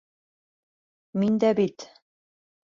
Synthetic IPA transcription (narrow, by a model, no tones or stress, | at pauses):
mind̪æbit̪